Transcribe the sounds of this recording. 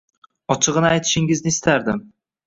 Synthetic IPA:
ɒt͡ʃʰɨʁɨnɪajt̪ʰɪ̥ʃɪŋɪznɪɪst̪aɾd̪ɪm

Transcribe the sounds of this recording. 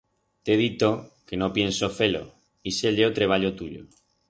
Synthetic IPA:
t̪eðit̪okenopjensofelo̰ | iselʎeot̪ɾeβ̞aʎot̪uʎo̰

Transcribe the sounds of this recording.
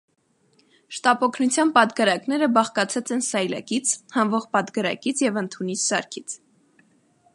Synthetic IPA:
ʃt̪ɑpɔkʰnut͡sʰjɑnpɑt̪ɡɑɾɑknɛɾəbɑχkɑt͡sʰɛt͡sɛnsɑjlɑ̰kit͡sʰhɑnvɔʁpɑt̪ɡəɾɑ̰kit͡sʰjɛvənt̪ʰunissɑ̰ɾkʰit͡sʰ

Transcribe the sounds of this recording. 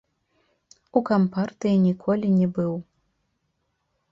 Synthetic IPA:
ukampart̪ɨjinʲikʰɔlʲinʲɛbɨw

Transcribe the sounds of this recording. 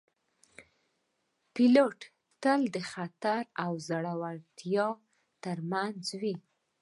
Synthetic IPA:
piloʈ | t̪əld̪əxat̪aɾawzaɽawaɾt̪jɑ | t̪əɾmanzwi

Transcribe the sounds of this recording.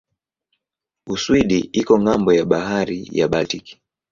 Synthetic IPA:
uswiɗiʔikɔŋɡambɔjaɓaɦaɾḭjaɓatiki̥

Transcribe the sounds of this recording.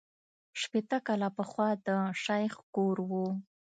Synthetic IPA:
ʃpet̪akɑlapəxwɑd̪əʃajxkoɾwu

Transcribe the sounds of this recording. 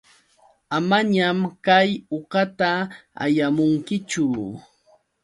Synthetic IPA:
amaɲamkajoqɑt̪aa̰jamʊŋkɪt͡ʃʊ

